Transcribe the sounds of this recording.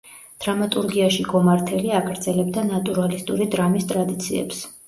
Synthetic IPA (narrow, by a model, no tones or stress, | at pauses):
d̪̥ɾamat̪ʼuɾɡiaʃiɡɔmaɾt̪ʰɛliaɡɾd̪zɛlɛb̚d̪anat̪ʼuɾalist̪ʼuɾid̪ɾamist̪ʼɾad̪it̪sʰḭɛ̰ps